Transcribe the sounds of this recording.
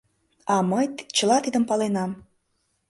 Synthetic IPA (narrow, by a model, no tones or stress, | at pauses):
ɑməjt̪t͡ɕəlɑt̪id̪əmpɑlenɑm